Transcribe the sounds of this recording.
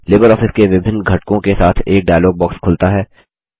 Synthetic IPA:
leːbəɾɔːfɪskeʋɪbʱɪnːɡʱɐʈkõkesaːt̪ʰeːk̚ɖaːjloːɡ̚bɔːkskʰʊlt̪aɦɛː

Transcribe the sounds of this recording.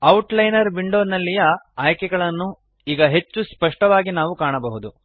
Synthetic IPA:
ɐwʈlɐjnɐɾbiɳɖoːnɐlːijɐaːjkɛɡɐɭɐnːu | iːɡɐɦe̞t͡ʃːuspɐʂʈɐʋaːɡinaːʋukaːɳɐbɐɦud̪u

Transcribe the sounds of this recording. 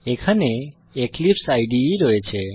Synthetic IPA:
ekʰane | eklipsajɖiɾɔet͡ʃʰɛ

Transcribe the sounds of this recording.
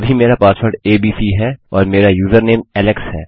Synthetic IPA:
bʱimeːɾapaːsʋəɾɖeːbiːsiɦɛɔːɾmeːɾajuːzəɾneːmɛːlɪkshɦɛː

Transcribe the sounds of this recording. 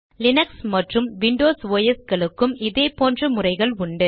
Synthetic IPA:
lɪnɐksmɐʈrɯmʋɪɳɖoːsʋoːjɐsɣɐɭɯkːɯmɪðeːpoːndrɐmʊrɐɪɣɐɭʊɳɖɯ

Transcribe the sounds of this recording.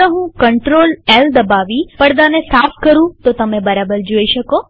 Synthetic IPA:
əɦũkəɳʈɾoleld̪əbaʋipəɽd̪anesafʰkəɾũt̪ot̪əmẽbəɾabəɾd͡ʒoiʃəko

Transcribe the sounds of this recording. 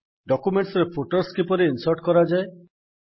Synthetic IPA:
ɖɔkumeɳʈsɔɾepʰoʈoɾskipɔɾeinsɔɾʈkɔɾad͡ʒae

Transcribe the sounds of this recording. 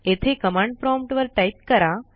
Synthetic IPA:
et̪ʰekəmãɳɖ̚pɾɔmpʈʋəɾʈajt̪kəɾa

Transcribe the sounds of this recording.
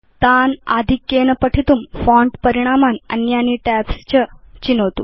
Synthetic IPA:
t̪anad̪ʱikːjenəpəʈʰit̪uːmfɔ̃ɳʈpəɾiɽ̃amanə̰njaniʈɛpst͡ɕət͡ɕinot̪ṵ

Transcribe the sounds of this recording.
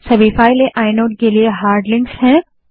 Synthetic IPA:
sɐbiːfaːileʔaːɪnoːʈ̚kelieɦaːɾɖlɪ̃ŋksɦɛ̃ː

